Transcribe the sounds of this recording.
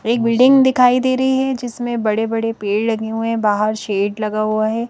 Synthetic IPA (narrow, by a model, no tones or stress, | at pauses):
eːk̚bɪlɖɪ̃ŋɡd̪ɪkʰaːid̪eːɾɐɦiɦɛd͡ʒɪsmẽbɐɽebɐɽepeːɖlɐɡeɦuɛ̃baːɦəɾʃeːʈlɐɡaɦuaɦɛː